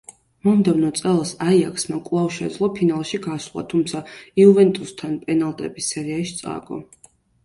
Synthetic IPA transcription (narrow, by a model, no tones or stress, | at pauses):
mɔmd̪ɛvnɔt̪sʼɛlˠsaiakʰsmakʼlˠavʃɛd̪zlˠɔpʰinalˠʃiɡaslˠa̰t̪ʰumt̪sʰaiuvɛnt̪ʼust̪ʰanpʼɛnalˠt̪ʼɛbisːɛɾiaʃi̥t̪sʼa̰ɡɔ̰